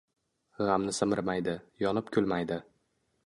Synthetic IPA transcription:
ʁamnɪsɪmɪɾmajd̪ɪjɒnɪp̚kʰʲʊlˠmajd̪ɪ

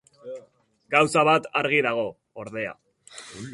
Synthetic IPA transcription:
ɡawsaβat̪aɾɣiðaɣ̞o̞ | oɾðe̞a̰

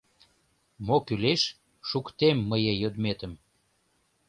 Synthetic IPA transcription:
mokyleʃ | ʃukt̪emːəjəjød̪met̪əm

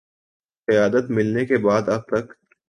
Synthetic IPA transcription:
qɪjaːd̪ət̪mɪlnekebaːd̪ɐb̚t̪ɐk

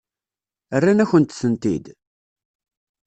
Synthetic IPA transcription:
ərːanæçənt̪θənt̪id̪

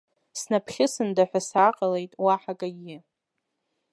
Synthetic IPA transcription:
snapʰχʲɪsɨndaħʷᶣasaqʼalejtʼwaħakʼaɡʲɪ

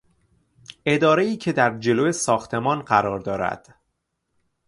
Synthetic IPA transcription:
ʔe̞d̪ɒːɾe̞iːcʰe̞d̪æɾd͡ʒe̞loːjesɒːxt̪ʰe̞mɒːnɢæɾɒːɾd̪ɒːɾæ̰d̪̥

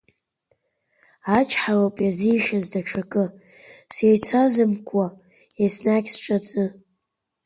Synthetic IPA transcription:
at͡ʃʰʼħawapʼjazijʃazdaʈ͡ʂʰakʼɨ | sejt͡sʰazɨmkʷʰʼa | esnakʲsʈ͡ʂʼat͡sʼɨ

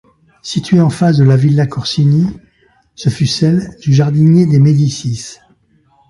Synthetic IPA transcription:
sit̪ɥeɑ̃fasd̪əlavilːakɔʁsini | səfysɛld̪̥yʒaʁd̪injed̪emed̪isis

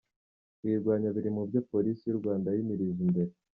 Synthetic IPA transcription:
kwiːɾɡwaːɲaβiɾimubjapo̞ɾisijuɾɡwaːndajimiɾizimbe̞ɾe

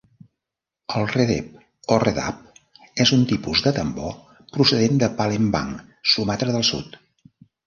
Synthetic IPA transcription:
əlˠreðɛ̰p̚ | oreða̰p̚ | ezunt̪ipuzðət̪əmbɔ | pɾusəðend̪əpalemba̰ŋ | sumat̪ɾəðəlˠsṵt̪

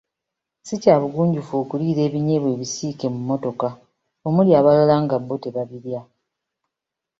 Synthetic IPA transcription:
sicaːβuɡuːɲɟufo̞ːkuliːɾe̞ːβiɲe̞βwe̞ːβisiːke̞mumːo̞to̞ka | o̞muljaːβalalaːŋɡabːo̞te̞βaβiɾja

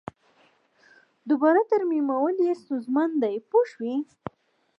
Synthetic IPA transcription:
d̪ubɑɾat̪aɾmimawəljest̪ozmɑnd̪ajpoʃwi

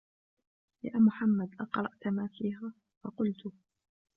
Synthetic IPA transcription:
jaːmʊħamːad̪ʔɑqɾˤɑʔt̪maːfiːɦaː | fɑqʊlt̪ʊ

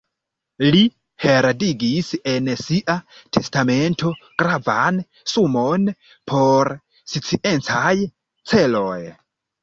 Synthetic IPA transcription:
li | he̞ɾadiɡise̞nsiʔatʰe̞stame̞ntʰo̞ɡ̥ɾavan | sumon | pʰo̞ɾ | sit͡siʔe̞nt͡saj | t͡se̞lo̞j

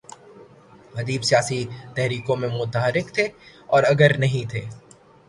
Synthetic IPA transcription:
ɦɐd̪iːbsijaːsit̪ɛɦɾiːkõmẽmʊt̪aɦəɾɪkt̪ʰeɔːɾɐɡəɾnɐɦĩt̪ʰeː

